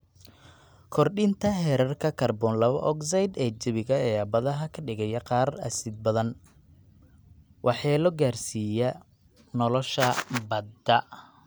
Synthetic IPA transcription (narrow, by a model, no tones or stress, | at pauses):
kʰɔrɗɪnt̪ʰɐɦɛɾɐrkʰɐkʰɐrbɔːnlɐβɐ̰ʔɔksɐjd̪ɛːt͡ʃɪβɪɣɐɛːɐbɐðɐɦɐkʰɐɖɪɣɛjɐqɑːrɐ̰sɪd̪̚bɐðɐn | wʔɑħɛːlɔɡaːrsiːjɐ | nɔlɔʃɐbɐd̪ɐ